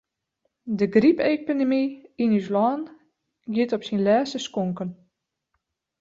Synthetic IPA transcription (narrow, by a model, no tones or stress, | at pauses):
dəɡripepidemiinyslɔːn | ɡjɪtɔpsinlɛːsəskoŋkən